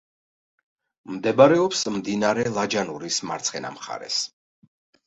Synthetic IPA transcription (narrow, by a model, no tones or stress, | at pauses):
md̪ɛbaɾɛɔpsmd̪inaɾɛlˠad͡ʒanuɾisma̰ɾt̪sʰχɛna̰mχa̰ɾɛ̰s